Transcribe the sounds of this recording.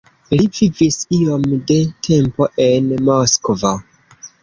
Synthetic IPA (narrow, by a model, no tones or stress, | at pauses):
livivisio̞mde̞tʰe̞mpo̞ʔe̞nmoskova